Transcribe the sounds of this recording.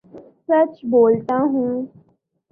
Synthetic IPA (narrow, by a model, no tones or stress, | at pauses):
sət͡ʃboːlt̪aɦũː